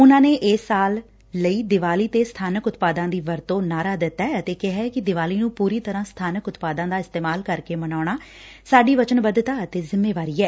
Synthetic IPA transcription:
ʊnãːneːʔɪsːaːlː | əiːd̪ɪʋaːliːt̪eːst̪ʰaːnəkʊt̪paːd̪ãːd̪iːʋəɾt̪õːnaːɾaːd̪ɪt̪ːɛːət̪eːkɪɦɛːkɪd̪ɪʋaːliːnũːpuːɾiːt̪əɾãːst̪ʰaːnəkʊt̪paːd̪ãːd̪aːɪst̪eːmaːlkəɾkeːmənaːʊɳaː | saːɖiːʋət͡ʃənbəd̪t̪aːət̪eːzɪmːeːʋaːɾiːɛː

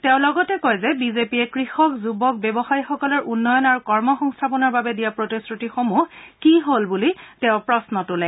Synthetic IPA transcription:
tɛʊ̃lɔɡɔtɛkɔjzɛbizepiɛkɹixɔkzubɔk̚bjɔbɔxajxɔkɔlɔɹʔunːɔjɔnaɹukɔɹmɔxɔŋstʰapɔnɔɹbabɛdijapɹotisɹutixomuhkiɦolbulitɛʊ̃pɹɔsnɔtʊlɛ

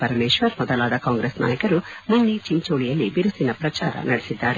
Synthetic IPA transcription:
pɐɾɐmeːʃʋɐɾmɔd̪ɐlaːd̪ɐkaːŋɡɾeːsnʔa̰ːjɐkɐɾumunːit͡ʃimt͡ʃoːɭijɐlːibiɾusinɐpɾɐt͡ʃaːɾɐ̰nɐɽesid̪ːaːɾe

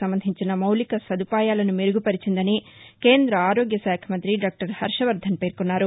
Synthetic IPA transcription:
ɐmbɐnd̪ʱiɲt͡ʃinɐmɐwlikɐsɐd̪ʱupaːjaːlɐnumeɾuɡupɐɾit͡ʃind̪ɐnike̞ːnd̪ɾɐaːɾoːɡjɐsaːkʰɐmɐnt̪ɾiɖaːk̚ʈɐɾhɐɾʂɐʋɐɾd̪ʱɐnpe̞ːɾkunːaːɾu

